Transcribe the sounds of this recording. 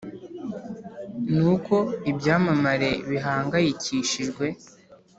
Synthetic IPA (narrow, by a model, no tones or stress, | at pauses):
nuko̞ibɟaːmamaɾe̞βiɦaːŋɡajiciːʃiʒɡwe̞